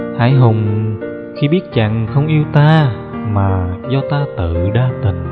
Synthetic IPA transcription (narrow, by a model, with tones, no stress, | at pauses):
haː˧˩jɦʊ˨˩ŋ͡m | xi˧ɓi˦˥ət̚t͡ɕa̰˧˨ŋxə˧wŋ͡mʔi˧əwt̪aː˧ | maː˨˩zɔ˧t̪aː˧t̪ɨ̰˧˨ɗaː˧t̪ï˨˩ŋ